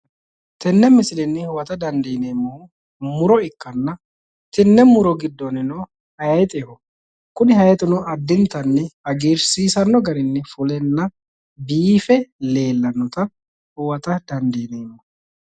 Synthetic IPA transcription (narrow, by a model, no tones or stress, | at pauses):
t̪ɪnːɛmɪsɪlɛnːɪhʊwɐt̪ɐd̪ɐnd̪eːneːmːɔʊ | mʊɾɔɪkːɐnːɐ | t̪ɪnːɛmʊɾɔɡɪd̪ːɔnɪnɔ | hɐjjɛt̪ʼehɔ | kʊnɪhɐjɛt̪ʼɪnɔʔɐd̪ːɪnt̪ɐnːɛhɐɡeːɾsiːsɐnːɔɡɐɾɪnːɛfʊlɛnːɐ | biːfɛle̞ːlːɐnːɔt̪ɐ | hʊwɐt̪ɐd̪ɐnd̪eːneːmːɔ